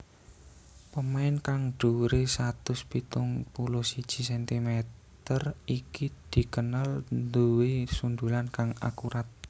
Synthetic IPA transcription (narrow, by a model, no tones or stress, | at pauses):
pəmaɪnkaŋɖ̥uɾesat̪ʊspit̪ʊŋpulʊhsid̥ʒ̥i̤sɛnt̪imɛt̪ərikid̪̥i̤kənalnd̪uwesund̪ulankaŋa̰kuɾʔat̪̚